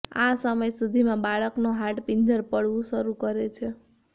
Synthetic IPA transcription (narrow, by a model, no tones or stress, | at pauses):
a̰səməjsud̪ʱimãbaɭəknoɦaʈpiɲd͡ʒəɾpəɽʋũʃəɾukəɾet͡ʃʰe